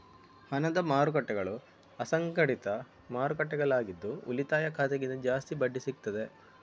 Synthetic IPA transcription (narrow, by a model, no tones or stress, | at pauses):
hɐnɐd̪ɐmaːɾuk̬ɐʈːɛɡɐɭu | ɐsɐŋɡɐɽit̪ɐ | maːɾukɐʈːɛɡɐɭaːɡid̪ːuṵlit̪aːjɐkʰaːt̪ɛɡind̪ɐd͡ʒaːst̪ibɐɖːisik̚t̪ɐd̪e̞